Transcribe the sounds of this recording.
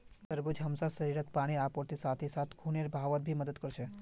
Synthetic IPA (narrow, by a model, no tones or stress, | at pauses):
t̪əɾbud͡ʒɦəmsasəɾiɾət̪paɽ̃iapoɾt̪isat̪ʰisat̪ʰkʰuneɾbʱaʋət̪̚bʱiməd̪əd̪kəɾʃe